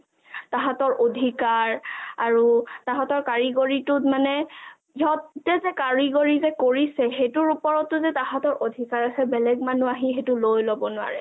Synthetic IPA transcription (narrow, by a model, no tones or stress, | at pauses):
taɦatɔɹʔodʱikaɹaɹutaɦatɔɹkaɹiɡoɹitʊtmanɛ | iɔtːɛzɛkaɹiɡoɹizɛkoɹisɛxetʊɹupɔɹɔtːʊzɛtaɦatɔɹodʱikaɹasɛbɛlɛɡ̚manuaɦĩxetʊlojlobɔnʊa̰ɹɛ